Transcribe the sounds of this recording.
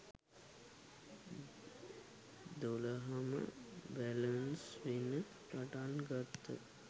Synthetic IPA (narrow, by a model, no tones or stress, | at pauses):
d̪oləɦəmə̰bælənsʋinə | paʈanɡat̪ːə̰